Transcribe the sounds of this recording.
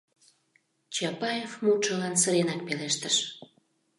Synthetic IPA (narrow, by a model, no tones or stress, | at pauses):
t͡ɕɑpɑjefmut̪ʃəlɑnsəɾenɑk̚peleʃt̪əʃ